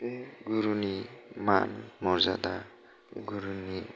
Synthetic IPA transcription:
ɡuɾunima̰nmɔɾzad̪a | ɡuɾuni

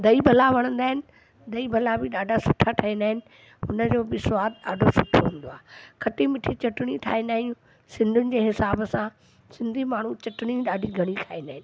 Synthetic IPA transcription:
d̪ɐibʱɐlaʋɐɽ̃ə̃nd̪aːɦɪnɪ̆ | d̪ɐibʱɐlabɪɗaːɖʱasʊʈʰaʈʰaɦĩnd̪aːɦɪnɪ̆ | ɦʊnəd͡ʑoːbɪswaːt̪aːɖʱosʊʈʰoɦũːn̆d̪oaːɦekʰɐʈimɪʈʰit͡ɕɐʈɽ̃iʈʰa̰ːĩnd̪aːɦĩjũ | sɪ̃nd̪ʱʊnɪ̆d͡ʑeːɦɪsaːbəsã | sɪ̃nd̪ʱimaːɳ̤ut͡ɕɐʈɪɽ̃iɗaːɖʱiɡʱɐɽ̃ikʰaːĩnd̪aːɦɪnɪ̆

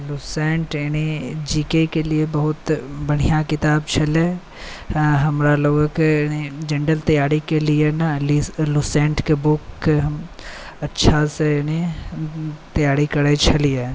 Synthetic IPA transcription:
lusẽːɳʈenid͡ʒiːkekeliebɐɦʊt̪bɐɽ̤ijakɪt̪aːbt͡ʃʰɐle | ɦɐmɾaloːɡkenid͡ʒẽːɳɖəlt̪ɐjaːɾikelienalilusẽːɳʈkebʊkːeɦɐm | ɐtːʃʰaseni | t̪ɐjaːɾikɐɽet͡ʃʰɐlie

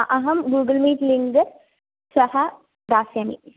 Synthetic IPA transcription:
ʔɐɦɐmɡuːɡəlmiːtliŋɡɐɾ | sɐha | d̪aːsjanḭ

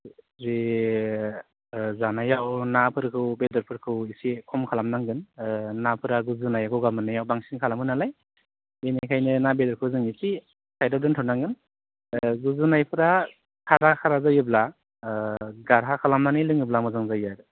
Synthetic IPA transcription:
ze | zanajawnapʰɯɾkʰɯwbedɯɾpʰɯɾkʰɯwisikʰɔmkʰalamnaŋɡɯnnapʰɯɾaɡuzɯnajaɡɔɡamɯnːajawbaŋsiŋkʰalamɯnalaj | enikʰajnɯnabedɔɾkʰɯwzɯŋisi | sʰajdadɯntʰɯwnaŋɡɯn | ɡuzɯnajpʰɯɾa | kʰaɾakʰaɾazajɯbla | ɡaɾɦakʰalamnanɯjlɯŋɯblamɯzaŋzajaɾ

